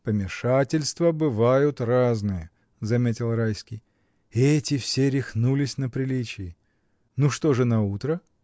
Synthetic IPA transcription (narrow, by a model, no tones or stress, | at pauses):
pəmʲɪʂatʲɪlʲst̪vəbɨvajʊt̪raznɨjə | zɐmʲetʲɪlˠrajskʲij | ɛtʲɪfsʲeɾʲɪxnulʲɪsʲnəpɾʲɪlʲit͡ɕɪɪ | nuʂt̪o̞ʐɨnɐut̪ɾə